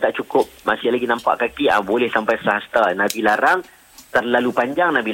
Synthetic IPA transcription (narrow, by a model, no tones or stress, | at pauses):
t̪aʔt͡ʃukʊp̚masɪhlaɡinampa̰ʔkakia̰bolɛhsampajsaɦast̪anabilaɾaŋ | t̪ərlalupaɲd͡ʒaŋnabi